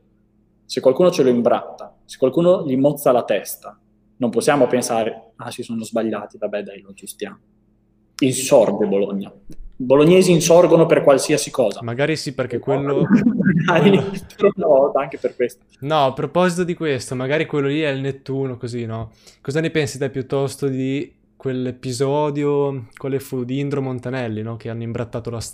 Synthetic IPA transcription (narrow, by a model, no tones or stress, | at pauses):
sekwalkuːnot͡ʃeloimbɾa̰t̪ːa | se̥kːwalkuːnoʎimot̪sːalat̪ɛst̪a | nomposːjaːmopensaːɾe | asisoːnozbaʎːaːt̪ivabːɛd̪ajlot͡ʃist̪ja̰ːmo | insɔrd̪eboloɲːaboloɲːeːziːnsɔrɡonoperkwalsiasikɔːzamaɡaːɾisiperk̟ekːwelːomaɡaɾoɔrd̪aaŋk̟eperkwest̪o̥nɔapːɾopɔzit̪od̪ikwest̪omaɡaːɾikwelːoliɛlnet̪ːuːnokozinɔkɔzanepensit̪ɛpjut̪ːɔst̪od̪i | kwelːepizɔːd̪jokwaːlefud̪iind̪ɾomont̪anɛlːinɔk̟eanːoimbɾat̪ːaːt̪olas